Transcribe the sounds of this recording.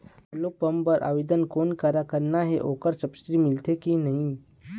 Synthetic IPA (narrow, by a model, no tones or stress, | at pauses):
lopɐmpəɾʔa̰ːʋed̪ənkoːnkaɾakəɾnaɦeʔoːkəɾsɐbsʈɾimɪlt̪ʰekinɐɦĩ